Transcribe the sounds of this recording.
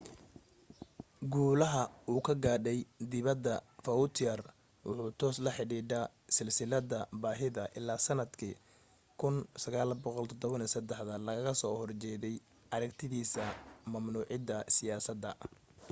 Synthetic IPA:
ɡuːlɐɦɐuːkʰɐɡaːɖɛjd̪ɪβɐd̪ːɐfɐʊt̪ʰɪɐr | wʔʊ̰ħuːt̪ʰɔːslɐħɪɽiːɖa | sɪlsɪlɐd̪ɐbaːɦɪðɐʔɪ̰laːsɐnɐd̪kʰiː | kʰʊnsɐɣaːlbɔqɔlt̪ʰɔd̪ɔβɐnisɐd̪ɛħðɐlɐɣɐɣɐsɔːhɔrt͡ʃɛːðɛj | ʔɐɾɐɡt̪ʰɪðiːsɐmɐmnuːʕɪd̪ɐsɪjaːsɐd̪ɐ

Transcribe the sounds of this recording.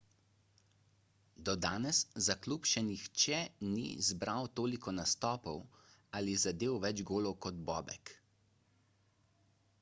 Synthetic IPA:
d̪ɔd̪aːnɛszaklupʃɛnixt͡ʃɛnḭzbɾawt̪oːlikɔnast̪ɔːpɔwalizad̪eːwʋɛd͡ʒɡoːlɔwkɔd̪bɔ̰ːbɛ̰k

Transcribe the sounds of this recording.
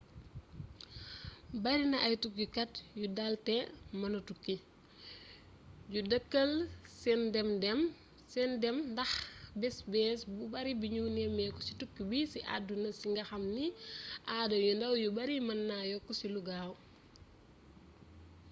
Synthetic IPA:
bɐɾinɐʔɐjtukːikɐtjudaltɛmɐnɐtukːi | ɟudɐkːɐlsɛndɛmdɛm | sɛndɛmndɐxbɛsbɛsbubɐɾibiɲunɛmɛkɔsitukːibisiʔa̰dunɐsiŋɡɐxɐmniʔaːdɐjundɐwjubɐɾimɐnːajɔkɔsiluɡaːw

